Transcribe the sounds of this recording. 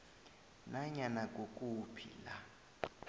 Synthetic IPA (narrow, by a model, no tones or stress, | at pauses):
naɲanak̬ʼokʼupʰḭla